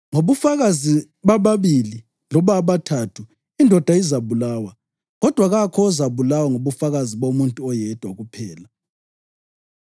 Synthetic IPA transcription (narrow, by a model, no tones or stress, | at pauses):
ŋoβufaɣazi | βaβaβili | lɔβaβatʰatʰu | indʱɔd̥ʱaizaβulaːwa | ɣɔd̥ʱwaɣakʰɔːzaβulawaŋoβufaɣaziβomuntʼuɔjɛd̥ʱwaɣupʰɛːla